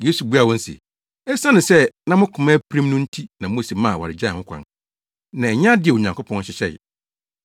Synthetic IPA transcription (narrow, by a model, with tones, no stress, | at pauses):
je˦su˨bu˦a˨wɔ̃˦n̩˦sḛ˨ | ɛ˦sã˦nɪ̃˨sɛ˦nã˦mʊ̃˦kʰʊ̃˨mã˦pʰɾĩ˦mnʊ̃˦n̩˦tʰi˦nã˨mʊ̃˦˨se˨mã˦˨wa̰˨ɾɪ˨d͡ʑa˦˨ʊ̃˦kʰʷã̰˨n | nã˨ɛ˨ɲ˦ã˦dɪ˦ɛ˨wo˨ɲã˨ŋkʊ˦pʰɔ̃˦n˦ɕɪ˨ɕɛ̰˦˨